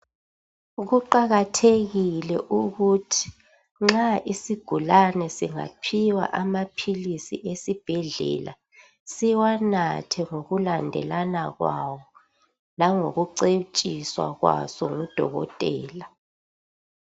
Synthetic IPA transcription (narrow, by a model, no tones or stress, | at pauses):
ɣuǃaɣatʰeɣilɛ̰ʔuɣutʰi̥ | ŋ͡ǁaʔisiɡ̥ʱulanɛsiŋa̰pʰiwa̰ʔamapʰilisḭʔesib̥ʱɛɮɛ̰la̰ | siwanatʰɛŋoɣulandʱɛ̰lanaɣwawɔ | laŋo̰ɣuǀet͡ʃʼiswa̰ɣwa̰sɔŋud̥ʱɔ̰ɣɔ̰tʼɛːla